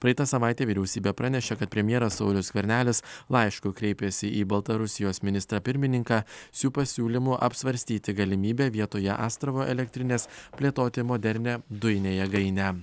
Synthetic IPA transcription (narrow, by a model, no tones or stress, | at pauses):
pɾɐɪːt̪ɑsɐʋɑˑɪt̪ʲeːʋʲɪɾʲɛʊsʲiːbʲɛpɾɑnʲɛʃʲekɐt̪̚pʲɾʲɛmʲjɛɾɐsːɐʊlʲʊsɡʲʋʲɛɾʲnʲæːlʲɪslˠɐɪʃkʊkɾʲɛɪpʲɛsʲɪʔiːbɐlˠt̪ɐɾʊsʲɪjoːsmʲɪnʲɪst̪ɾɑːpʲɪɾʲmʲɪnʲɪŋkɑːsʲuːpɐsʲuːlʲɪmuʔɐpsʋɐɾʲsʲt̪ʲiːt̪ʲɪɡɐlʲɪmʲiːbʲeːʋʲiɛt̪oːjɛʔɑ̰ːst̪ɾɐʋoːʔɛlʲɛk̚ʲt̪ʲɾʲɪnʲeːspʲlʲeːt̪oːt̪ʲɪmoːd̪ʲɛɾʲnʲɛd̪ʊjɪnʲeːjɛɡɐɪnʲæ